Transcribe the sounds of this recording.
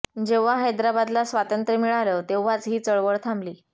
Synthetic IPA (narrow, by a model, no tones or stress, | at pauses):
d͡ʑeʋ̤aɦəjd̪ɾabad̪lasʋat̪ənt̪ɾəmiɭaləːt̪eʋːat͡sɦiːt͡səɭʋəɭt̪ʰambliː